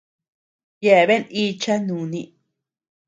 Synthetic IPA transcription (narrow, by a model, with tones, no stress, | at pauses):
je˧˨βe˦ni˧˦t͡ʃa˦nũ˨nĩ˧